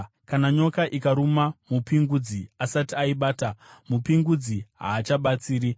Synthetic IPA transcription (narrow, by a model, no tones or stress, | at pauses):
kanaɲo̞kaʔikaɾumamupiŋɡud͡ziasatiaiɓaːtamupiŋɡud͡ziɦa̰ːt͡ʃaɓat͡siːɾi